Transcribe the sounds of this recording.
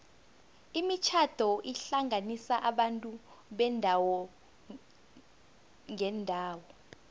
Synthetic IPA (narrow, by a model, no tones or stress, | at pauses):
imit͡ʃʰad̥ʱɔʔiɬaŋanisaʔaɓantʼuɓɛndʱawɔ | ŋɛndʱaːwɔ